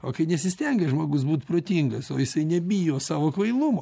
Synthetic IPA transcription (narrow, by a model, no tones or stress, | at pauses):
oːkɐɪnʲɛsʲɪsʲt̪ʲɛŋɡɐʒmoːɡʊs̬buːt̪pɾoːt̪ʲiŋɡɐsoːjɪsɐɪnʲɛbʲijoːsɑːʋoːkʋɐɪlˠʊmoː